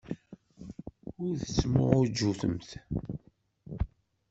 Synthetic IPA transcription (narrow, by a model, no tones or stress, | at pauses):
ʊɾθə̥t͡sːmʊ̰ʁʊɾd͡ʒːuθə̰mθ